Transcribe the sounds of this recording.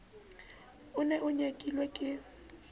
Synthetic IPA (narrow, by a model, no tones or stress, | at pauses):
ʊnɛʔʊɲekʼilwekʼɪ